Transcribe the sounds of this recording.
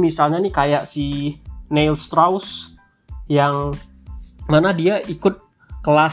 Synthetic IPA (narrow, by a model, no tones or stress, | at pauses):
misalɲanikajaʔsinelst̪ɾaws | jaŋ | manadiaʔikʊt̪̚ | kəla